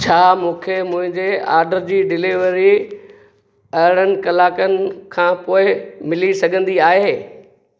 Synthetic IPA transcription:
t͡ɕʰaːmũːkʰemʊ̃ɦɪ̃ɲd͡ʑea̰ːɾɖəɾd͡ʑiːɖɪliʋəɾi | ɐɦɪɽ̃ənɪ̆kɐlaːkənɪ̆kʰãːpoːɪmɪlisɐɡʱə̃nd̪iaːɦeː

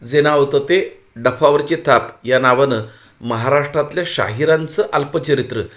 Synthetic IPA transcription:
d͡zenaʋt̪ət̪e | ɖəfaʋəɾt͡ɕet̪ʰapjanaʋənə | məɦaɾaʂʈɾat̪ljaɕa̰ɦiɾant͡səʔalpət͡ɕəɾit̪ɾə

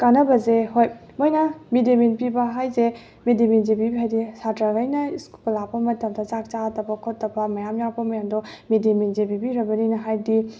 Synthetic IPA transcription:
kanɐbɐzehojmojnɐmideminpibɐɦajze | mediminzebibiɦajdisatɾaɡajnɐiskuplapɐmɐtɐmdɐzak̚t͡ʃatɐbɐkʰotːɐbɐmɐjamjawpɐmɐjamdɔmedeminzebibiɾɐbɐninɐɦajdi

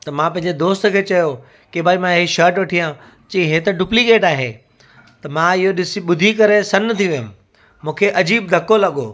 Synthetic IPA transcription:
t̪ɐmãpɐ̃ɦɪ̃ɲd͡ʑed̪oːst̪ʊ̆kʰeːt͡ɕɐjo | kibʱaːimãɦiʃɐːɾʈʋɐʈʰijã | t͡ɕiɦet̪ɐɖuplikeːʈaːɦḛ | t̪ɐmãɪɦoɗɪsiɓʊd̪ʱikɐɾesɐnːɐt̪ʰiʋijʊ̃m | mũːkʰeʔɐd͡ʑiːb̚d̪ʱɐkolɐɠoː

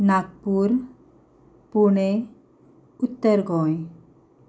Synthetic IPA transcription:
nakpuɾ | puɳ̃e | ut̪ːəɾɡɔj

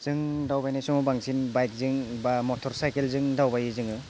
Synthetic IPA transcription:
z̥ɯŋdawbajnajsɔmɔbaŋsʰinbajk̚zɯŋbamɔtʰɔɾsajkelzɯŋdawbajɯzɯŋɯ

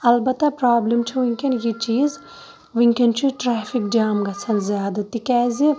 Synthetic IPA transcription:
ɐlbɐt̪ːɐpɾaːblɐmt͡ʃʰɐʋiŋkɐnjit͡ʃiːz | ʋiŋkɐnt͡ʃʰuʈɾɛːfʰik̚d͡ʒaːmɡɐt͡sʰɐnzjaːd̪ɐt̪ikɛːzi

